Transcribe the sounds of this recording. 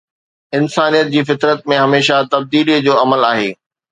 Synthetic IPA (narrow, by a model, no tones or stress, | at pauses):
ɪnsaːnijət̪̚d͡ʑiːfɪt̪ɾət̪̚mẽɦɐmeːʃat̪ɐb̚d̪iːlid͡ʑoːɐməlaːɦeː